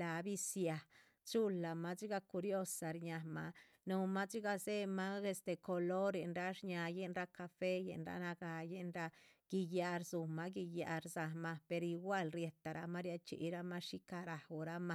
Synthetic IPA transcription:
la˨bi˦sja˨ | t͡ʃu˦lːa˨ma˦t͡ʃi˦ɡa˧ku˧ɾjo˦˧sa˨ɾɲa˨ma̰˨ | nu˧ma˦t͡ʃi˦ɡa˧ze˦ma˦ɡe˧st̪e˨ko˨lo˦ɾje˨nɾa˦ʂɲa˧je˦nɾa˦ka˧fe˦jḛ˨nɾa̰˧na˧ɡa˧je˦nɾa˧ɡ̥i˧ja˧ɾzu˨ma˧˦ɡi˧ja̰˧ɾza˨ma˧pe˧ɾi˧ɡwa˦˨lɾje˧t̪a˨ɾa˧ma˦ɾja˧t͡ʃḭ˦˧ɾa˦ma˦ʃi˦ka˧ɾa˨u˨ɾa˦ma˧

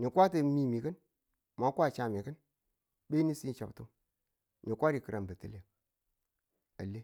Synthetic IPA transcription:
ni˨kʷa˦tə˨˦mi˦mi˨kɨ˦n | ma˨˦kʷa˦˨t͡ʃa˨mi˨kɨ˦n | ɓe˦ni˦si˦n˦t͡ʃa˨btu˦m | ni˨kʷa˦ɾi˨kɨ˨ɾʔa˨nbə˨tə˦le˨ | a̰˨le˦

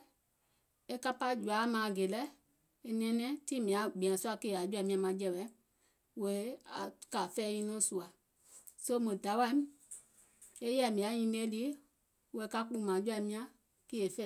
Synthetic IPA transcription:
e˦ka˦pa˦d͡ʒu˨a˨˦mãː˨ɡe˨lɛ˦ | e˧nɛ̃˨˦nɛ̃˦tĩ˦mĩ˨ã˨˦ɡ͡bĩ˨ã˨su˦a˧ke˦˧˨a˨˦d͡ʒu˦a˧˨mĩ˧˦ã˧mã˨˦d͡ʒɛ˧˨wɛ˨˦ | we˨˦a̰˨ka˨fɛː˦ɲĩ˧˦nɔ̃˦su˨a˨ | so˦mõ˨da˨˦wa˧˦m̃˦ | e˦jɛ˦˨mĩ˨ã˨˦ɲĩ˧˦le˦li˨˦ | we˧˨˦ka˧k͡pũ˧˦mãː˨˦d͡ʒu˦a˧˨mĩ˧˦ã˦ | ki˦e˨fɛ˦˨

